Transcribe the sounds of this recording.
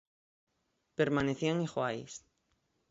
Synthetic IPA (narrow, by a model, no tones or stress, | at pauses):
peɾmaneθiaŋixwajs